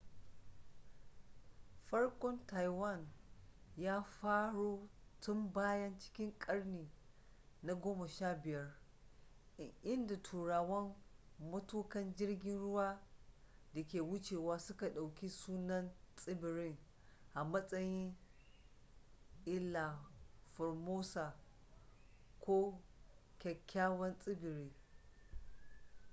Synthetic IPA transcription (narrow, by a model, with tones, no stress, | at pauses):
ɸɐ˦rkʷɔ˦nta˨jwɐ˦˨n | jaː˦ɸaː˦ɽoː˦tʊ˦mbaː˦jɐ˦nt͡ʃɪ̥˦kʲɪ˦ŋkʼɐ˦ɽniː˨ | na˨ɡʷoː˦mɐ˨ʃaː˦bɪ˨jɐ˦r | ʔɪ˦nda˨tʰuː˨ɽaː˨wɐ˦m | mɐ˦tuː˦kɐ˦nd͡ʒɪ˦rɡʲɪ˦nɽʊ˦waː˦ | da˨kʲeː˨wʊ˦t͡ʃeː˨waː˦sʊ˦ka˨ɗa˨wkʲi˦suː˦nɐ˦nsʼɪ˦bɪ˨ɾɪ˦ŋ | ʔa˨mɐ˦sʼɐ˦jɪ˦ŋ | ʔɪ˦lːa˨fɔ˨rmoː˦sa˨ | kʷoː˦ | kʲɛ˨kʲʰːaː˦wɐ˦nsʼɪ˦bɪ˨ɾiː˦